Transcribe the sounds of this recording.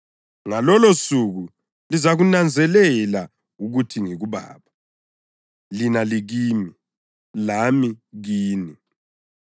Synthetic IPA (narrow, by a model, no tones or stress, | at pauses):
ŋalɔlosuɣu | lizaɣunand͡zʱɛlɛla | uɣutʰiŋiɣuβa̰ːβa | linaliɣiːmi | lamiɣiːni